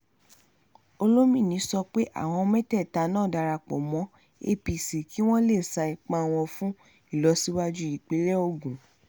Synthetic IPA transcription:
o˧lo˦mĩ˦˨nĩ˨˧˦sɔ˧k͡pe˦ʔa̰˦˨w̃ɔ̃˧mɛ̃˦tɛ˦˨ta˧nãː˦˨da˨˧ɾa˧k͡pɔ̰˨mɔ̃˨˦ | e˦pi˨si˨ki˦w̃ɔ̃˦le˦˨sa˧i˨k͡pã˦w̃ɔ̃˧fũ˦ | i˦˨lɔ˨˧si˦wa˦d͡ʒu˦i˦˨k͡pe˨˦lɛ˦o˧˨ɡũ˨

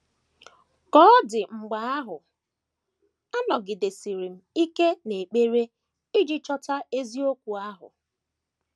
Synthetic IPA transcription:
kɔ˦dɪ˨ŋ͡m̩˨ɡ͡ba˨˦a˦ɦʊ˨ | a˦nɔ˨ɡɪ˨de˨si˨ɾi˨m̩˨i˦ke˦ne˨k͡pe˦ɾe˦ | i˦d͡ʒi˦t͡ʃɔ˦ta˦e˦zi˦o˦kʷu˨a˦ɦʊ̰˨

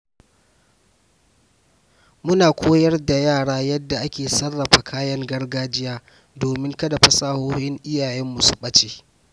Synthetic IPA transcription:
mʊ˦naː˨kʷʰoː˦jɐ˦rda˨jaː˦˨ɽaː˦jɐ˦dːa˨ʔa˦kʲeː˨sɐ˦rːɐ˨ɸa˨kʰaː˦jɐ˦ŋɡɐ˦rɡaː˦d͡ʒɪ˦jaː˦ | doː˨mɪ˦ŋkɐ˦da˨ɸɐ˦saː˦hoː˦hɪ˦ŋʔɪ˦jaː˨jɛ˦mːu˨su˨ɓɐ˦t͡ʃeː˦

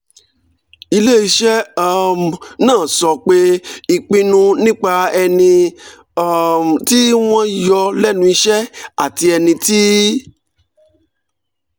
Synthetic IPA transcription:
i˧le˦i˧ʃɛ˦a˦mnãː˦˨sɔ˧˨k͡pe˦i˧k͡pĩ˧nũ˧nĩ˦k͡pa˧ɛ˧nĩ˧˦ | m˨ti˦w̃ɔ̃˦jɔ˧lɛ˦nũ˦i˧ʃɛ˦a̰˦˨ti˧ɛ˧nĩ˧ti˦

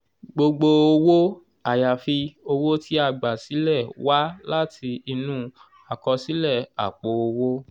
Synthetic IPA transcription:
ɡ͡bo˧ɡ͡bo˧o˧wo˦ | a˨ja˨fi˧o˧wo˦ti˦a˧˨ɡ͡ba˨si˨˦lɛ˦˨wa˦la˦ti˧i˧nũ˦ | a˨kɔ˧si˨˦lɛ˦˨a˨k͡po˨o˧wo˦

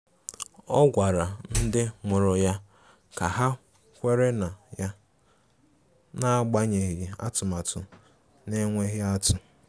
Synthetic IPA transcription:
ɔ˦ɡʷa˨ɾa˨n̩˦dɪ˦ŋʊ˨ɾʊ˨ja˦ | ka˨ɦa˦ | kʷe˦ɾe˦na˨ja˦ | na˦ɡ͡ba˦ɲe˨ɣi˨a̰˦tʊ˨ma˨tʊ̰˨ | ne˦ŋʷe˦ɣɪ˦a˦tʊ˨

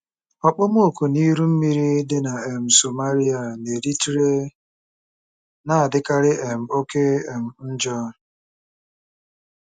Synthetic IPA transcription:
ɔ˨k͡pɔ˦mo˦o˨ko˨ni˦ɾu˦m̩˦mi˦ɾi˦dɪ˦na˨e˨m̩˨so˨ma˦ɾi˦a˨ne˨ɾi˦tɾe˦ | na˨a˨dɪ˦ka˦ɾɪ˦ʔe˨m̩˨o˦ke˦e˨m̩˨n̩˦d͡ʒɔ˦

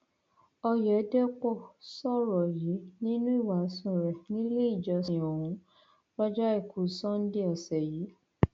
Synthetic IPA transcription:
ɔ˧jɛ˨˦dɛ˦k͡pɔ˦˨sɔ˦˨ɾɔ˨ji˨˦nĩ˦nũ˦i˦˨wa˨˦sũ˦˨ɾɛ˨nĩ˦le˦i˦˨d͡ʒɔ˧˦so˨hũ˨˦ | ba˦d͡ʒa˦e˦˨kʰu˨˦sɔ̃˦n̩˦di˦ɔ˨sɛ˨ji˨˦

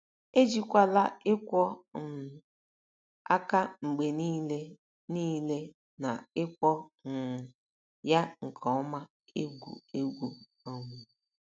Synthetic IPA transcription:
e˦d͡ʒi˦kʷa˦la˦ɪ˦kʷɔ˦n̩˨ | a̰˦ka˦ŋ͡m̩˨ɡ͡be˨niː˦le˦ | niː˦le˦ | na˨ɪ˦kʷɔ˦n̩˨ | ja˦ŋ̩˨kʰɔ˨ɔ˦ma˦ | e˦ɡʷṵ˨e˦ɡʷu˦ | o˨ŋʷu˨

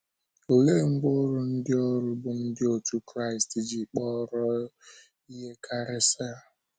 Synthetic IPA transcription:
o˨le˦˨ŋ̩˦ɡ͡bo˦ɾʊ˦n̩˦dɪ˦ɔ˦ɾʊ˦bʊ˨n̩˦dɪ˦o˨tu˦kɾa˦˨ɪi˨sti˨d͡ʒi˨k͡pɔ˦ɾɔ˦ | i˦ɦe˦kʰa˦ɾɪ˦sa˦a˨

